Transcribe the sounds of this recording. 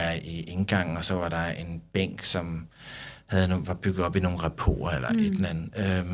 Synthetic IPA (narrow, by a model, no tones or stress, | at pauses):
æɐiʔe̝nɡ̥ɑ̈ŋ̰̩ɒ̽sɒ̽ʋɑ̈ɾɑ̈e̝nb̥eŋ̰ɡ̥sɒ̽m | hæðˠnoʋɑ̈b̥yɡ̥ð̩ˠɒ̽b̥ino̝ːn̩ʁapʰo̝̰ːɐelɐ̰ʔed̥enæn̩ø